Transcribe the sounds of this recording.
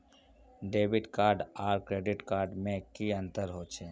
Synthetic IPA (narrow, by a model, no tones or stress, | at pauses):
ɖeːbɪʈkaːɾɖaːɾkɾeːɖɪʈkaːɾɖmẽkiə̃nt̪əɾɦot͡ʃʰeː